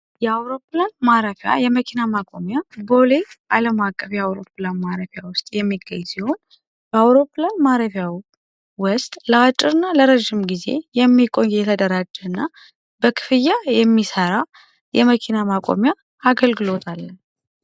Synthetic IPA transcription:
jɛawɾo̞planmaɾəfja̰jɛməkʰinamakʼo̞mjabo̞leʔaləmakʼːəfjɛawɾo̞planmaɾəfjawʊst̪ʼjɛmːiɡəɲːsiho̞n | bɛawɾo̞pɨlanmaɾəfjawi | wəst̪ʼləat͡ʃʼːɪɾɨnːaləɾəʒːɪmɡize̞̰jɛmːikʼonjɛt̪ʰəd̪əɾad͡ʒːɛɨnːa | b̥əkʰɨ̥fɨjajɛmːisəɾa | jɛməkʰinamakʼo̰mjaː | ɡəlɡɨlo̞t̪ʰalːən

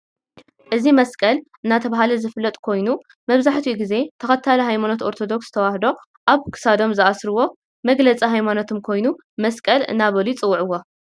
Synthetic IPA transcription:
ʔɨzimɐskʼɐlʔɨnːat̪ʰɐβaɦalɐzɨfɨlːɐt̪ʼkʰo̞jnu | mɐβzaħt̪ʰuiɡize̞t̪ʰɐxɐt̪ʰalɐɦajmano̞t̪o̞ɾt̪ʰo̞d̪o̞kszɨ̥t̪ʰɐwahd̪o̞ | ʔaβkʰɨ̥sad̪o̞mzɨʔasɾɨwo̞ | mɐɡlɐt͡sʼiɦajmanot̪ʰumkʰo̞jnu | mɐskʼɐlɨ̰nːaβɐlit͡sʼɨwːuʕɨwːo

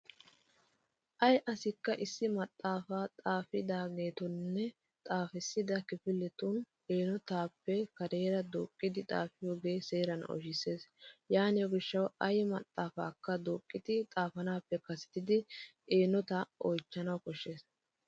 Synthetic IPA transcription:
ʔɐjʔɐsɪkːɐʔɪsːɪmɐt̪ʼːaːfaːt̪ʼaːfɪd̪aːɡe̞ːt̪ɔnːɛ | t̪ʼaːfɪsːɪd̪ɐkɪfɪlːɛt̪un | eːnɔt̪aːpːɛkɐɾeːɾɐd̪oːkʼːɪd̪ɪt̪ʼa̰ːfɪjoːɡe̞ːse̞ːɾɐnɔ̰ʃɪse̞ːsjaːnɪjɔɡɪʃːɐwɐjmɐ̰t̪ʼːaːfa̰ːkːɐd̪oːkʼːɪd̪ɪt̪ʼaːfɐnaːpːɛkɐsɛ̥t̪ɪd̪ɪ | eːnɔt̪ɐʔɔjt͡ʃːɐnɐwkɔʃːe̞ːs

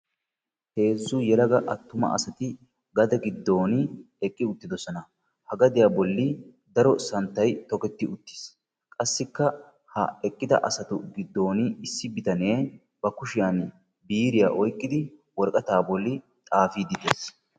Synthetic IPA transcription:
he̞ːzːʊjɛlɐɡɐʔɐt̪ːʊmɐ̰ʔɐ̰sɐt̪ɪ | ɡɐd̪ɐɡɪd̪ːo̞ːnɪ | ɛkʼːɪʊt̪ːɪd̪ɔsɔnɐ | hɐɡɐd̪ɪjaːbɔlːɪ | d̪ɐɾɔsɐnt̪ːɐjt̪ɔkɛt̪ːɪʊt̪ːɪ̥s | kʼɐsːɪkːɐ | hɐ̰ɛkʼːɪd̪ɐ̰ʔɐ̰sɐt̪ʊɡɪd̪ːo̞ːnɪɪsːɪbɪt̪ɐneː | b̥ɐkʊʃɪjan | biːɾɪja̰ːʔɔjkʼːɪd̪ɪwɔɾkʼɐt̪aːbɔlːɪ | t̪ʼaːfiːd̪ɪd̪es

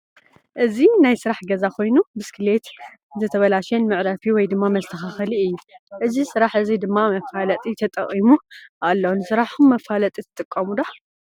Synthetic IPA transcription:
ʔɨzinajsɨɾaħɡɐzakʰo̞jnubɨskʰɨle̞t̪zɨt̪ʰɐβɐlaʃɐnmɨʕɾɐfiwɔjd̪ɨmːamɐst̪ʰɐxaxɐliɨjːuʔɨzisɨɾaħʔɨzid̪ɨmːamɐfalɐt̪ʼit̪ʰɐt̪ʼɐ̰χʼimuʔalːonsɨɾaħumːɐfalɐt̪ʼit̪ʰɨ̥t̪ʼɨkʼːɐmud̪a

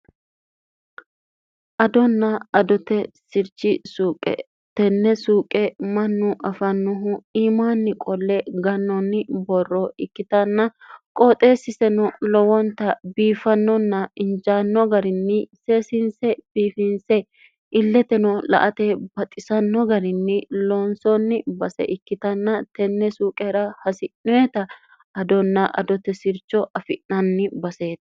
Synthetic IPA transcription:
ʔɐd̪ɔnːɐɐd̪ɔt̪ɛsɪɾt͡ʃːɪsuːkʼɛ̰ | t̪ɛnːɛsuːkʼɛmɐnːʊʔɐfɐnːʊɦʊiːmaːnːɪkʼɔlːɛɡɐnːɔnːɪbɔrːɔɪkːɪt̪ɐnːɐ | kʼot̪ʼe̞ːsɪsɛnɔlɔwɔnt̪ɐbiːfɐnːɔnːɐɪnd͡ʒaːnːɔɡɐɾɪnːɪse̞ːsɪnsɛb̥iːfɪnsɛ | ʔɪlːɛt̪ɛnɔlɐ̰ʔɐt̪ɛbɐt̪ʼɪsɐnːɔɡɐɾɪnːɪloːnsɔnːɪbɐsɛ̰ʔɪkːɪt̪ɐnːɐt̪ɛnːɛsuːkʼeːɾɐhɐsɪnʊjɛt̪ɐ | ɐd̪ɔnːɐʔɐ̰d̪ɔt̪ɛsɪɾt͡ʃːɔʔɐfɪʔnɐnːɪbɐse̞ːt̪ɐ

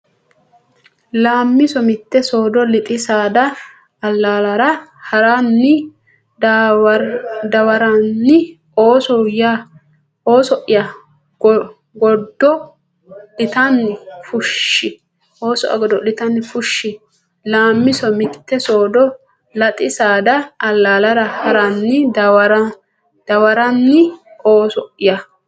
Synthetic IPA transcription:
laːmːɪsɔmɪt̪ːɛso̞ːd̪ɔlɪt̪ʼɪsaːd̪ɐː | lːaːlɐɾɐhɐɾanːɪ | d̪ɐwɐɾanːɪ | oːsɔja | o̞ːsɔʔɪjɐ | ɡɔd̪ːɔ | lɪt̪ɐnːɪfʊʃːɪ | ʔo̞ːsɔ̰ʔɐ̰ɡɔd̪ːɔlɪt̪ɐnːɪfʊʃːɪ | laːmːɪsɔmɪt̪ːɛsoːd̪ɔ | lɐt̪ʼɪsaːd̪ɐːlːaːlɐdɐhɐɾɐnːɪdwɾ | d̪̥ɐwɐɾɐnːɪoːsɔʔɪjɐ

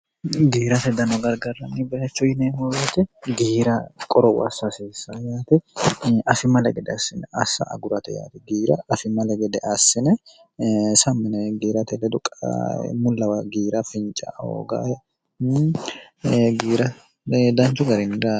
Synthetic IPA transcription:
ɡiːɾɐt̪ɛd̪ɐnɔɡɐɾɡɐrːɐnibɛjɐt͡ʃːʊɪneːhoɐt̪ɛɡiːɾɐkʼɔɾɔwɐsːɐseːsːɐjaːt̪ɪʔɐfɪmɐlɛɡɛd̪ɛɐsɪnɛɐ̰sːɐ̰ʔɐ̰ɡʊɾɐt̪ɛja̰ːt̪ɪɡiːɾɐɐfɪmːɐlɛɡɛd̪ɛʔɐsːɪnɛ | sɐmːɪnɛɡiːɾɐt̪ɛlɛd̪ʊkʼːmʊlːɐwɐɡiːɾɐfɪnt͡ʃʼɐ̰ho̰ːɡa̰ | ɡiːɾɐ | d̪ɐnt͡ʃʊɡɐɾɪnɪɾa

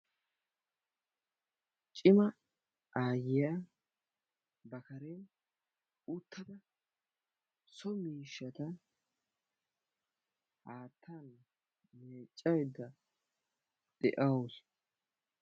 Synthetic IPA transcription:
t͡ʃʼɪmɐ | ʔaːjɪja | bɐkɐɾen | ʊt̪ʰːɐd̪ɐ | sɔmiːʃːɐt̪ɐ | haːt̪ʰːɐn | meːt͡ʃʼːɐjd̪ːɐ | d̪̥ɛ̰ʔɐwʊs

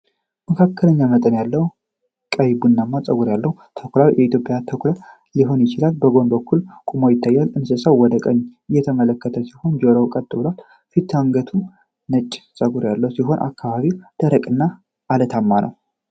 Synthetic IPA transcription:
məkʰakːələɲːamət̪ʼənjalːəwu | kʼəjbunːamːat͡sʼəɡuɾjalːəhut̪ʰəkʷlawjʔɛit̪jo̞pʼjat̪ʰəkʰʷla | liɦo̞njɪt͡ʃɪlalbəɡo̞nbəkʰːulkʼumojɪt̪ʰːajːalɨnsəsəwwɔd̪əkʼəɲːɨjːɛt̪ʰəmələkːət̪ʰəsiho̞nd͡ʒoɾəwkʼət̪ʼːɨβlal | fit̪ʰːaŋɡət̪ʰum | nət͡ʃʼːsʼəɡuɾjalːəwusiɦo̞nʔa̰kːaβaβid̪̥əɾəkʼɨnːa | ʔalət̪ʰamːanʔə̰w

